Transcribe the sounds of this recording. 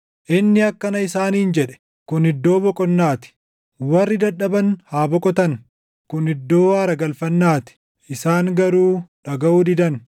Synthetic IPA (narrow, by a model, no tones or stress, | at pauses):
ʔɪnːɪɐkːɐnɐɪsaːniːɪnd͡ʒɛᶑɛ̥ | kʊnhɪd̪ːo̞ːbɔkʼɔnːaːt̪ɪ̥ | wɐrːɪd̪ɐᶑɐbɐnhaːbɔkʼɔt̪ɐn | kʊnɪd̪ːo̞ːaːɾɐɡɐlfɐnːaːt̪ɪ̥ | ʔɪsaːŋɡɐɾuːᶑɐɡɐʔuːd̪ɪd̪ɐn